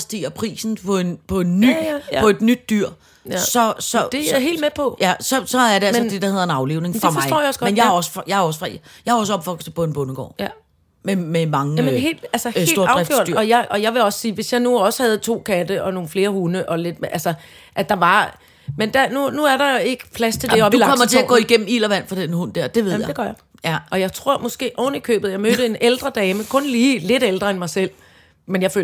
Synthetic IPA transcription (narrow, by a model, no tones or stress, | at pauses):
sd̥ḭːɐpʰʁḭːsn̩pʰɒ̽e̝npʰɒ̽e̝nːy̰ɒ̽e̝d̥nyd̥ːyɐ̰ | sɒ̽sɒ̽d̥eɦḛːld̥mepʰɒ̽jæsɒ̽sɒ̽æɐɾeælmsnd̥e̝d̥ɑ̈heðˠɐenɑ̈ʊle̝ʊne̝ŋfɒmɑ̈ɪɔ̰jaɒsɡ̥ɒmenjahɒ̽sə̥fjɑɒ̽səfʁɑjɑhɑɒ̽s̬əɒ̽b̥fɒ̽ɡ̥sd̥əb̥ɔnb̥ɔnəɡ̥ɒ̰ː | mememɑ̈ŋəæmɦe̝̰ːld̥ælsəsed̰lo̝ɐɑ̈ʊ̥ʁɛfɡ̥ø̰ɐ̰l̥d̥yɐɒ̽jɑɪʔɒ̽jɑ̈ɪʋe̝ɒ̽ssiːʋe̝sjɑ̈ɪnuɒ̽sə̥hæð̞̩ˠt͡sʰo̝̰ːkʰæd̥əʔɒ̽no̝ːn̩fle̝ːɐhunəʔɒ̽le̝d̥mʔælsə | ʔæd̥ɑ̈ʋɑ̈ | mend̥ænunuæɐɾɑ̈e̝ɡ̥ə̥pʰlæst͡sʰe̝lde̝ɒ̽biulɑkɒmɐt͡sʰeæɡɔ̰̽ːiɡ̥em̰m̩ḭːlɐʋæn̰fɑd̥enhund̥æɐ̰d̥e̝ʋe̝ð̰ˠjd̥eɡ̥ɶɐjɑɪ | ʔɒ̽jɑ̈ɪt͡sʰʁo̝ɐ̰mɒ̽sɡ̥e̝̰ːʔɒ̰ːnəikʰø̰ːb̥ð̩ˠjɑ̈ɪmød̥əe̝neld̥ʁɐd̥ɛːməkʰɔ̽nliːle̝dɾ̥eld̥ʁɐenmɑ̈ɪsel̰ | menjɑfø̰